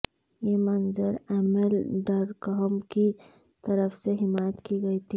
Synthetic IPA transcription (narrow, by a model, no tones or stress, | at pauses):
jemɐnzəɾɛːmelɖəɾkɦmki | t̪ɐɾəfseɦɪmaːjət̪kiɡɐit̪ʰi